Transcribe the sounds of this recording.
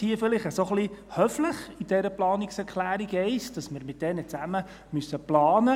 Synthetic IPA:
hiəfɪlɪχəsoχlihœfləχid̥ɛɾəplɑːnɪksɛɾkʰlæːɾiɡɛɪsd̥ɑsmɪɾmɪt̚d̥ɛnət͡sæmə | mysːəplɑːnə

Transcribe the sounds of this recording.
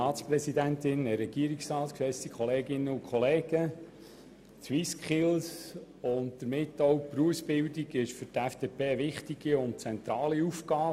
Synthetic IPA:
ɑːspɾɛsidæntɪnəɾɛɡ̥iəɾiksɾɑːtkʃɛsikχɔleːɡɪnːəʊkʰχɔleːɡ̥ə | t͡swiskχɪls | ʊntd̥̪əɾmɪtːɔwpɾuəsb̥ɪwdiɡɪʃfʏɾtæfd̥eːpeːəʋɪχtiɡ̥iʊnt͡sɛnt̪ɾɑːliufkɑː

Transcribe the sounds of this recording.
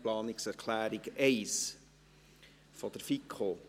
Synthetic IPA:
plɑːnɪksɛɾkʰlæːɾiɡɛɪs | fɔd̥̪əɾfikʰχo

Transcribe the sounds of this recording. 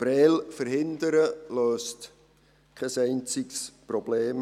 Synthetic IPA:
b̥ɾɛːlfəɾɦɪnd̪əɾəløːst | kʰɛsɛɪnt͡sɪksprɔbleːm

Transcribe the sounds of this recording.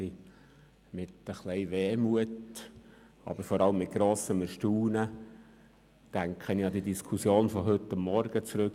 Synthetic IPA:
i | mɪt̪əχlɛɪʋeːmuət | ɑ̰b̥əɾfɔɾɑləmːɪt̚ɡ̥ɾoːsəməʃtuːnə | tæŋkʰəniɑd̪idiskʰusjoːnfɔɦɵt̪ːɑmːɔɾɡ̥ət͡sɾɵk

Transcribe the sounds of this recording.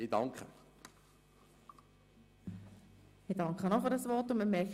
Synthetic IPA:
idɑŋkχə | ɪd̥ɑŋkχənɔχfɨɾdɑsʋɔɾtʊnməmɛk

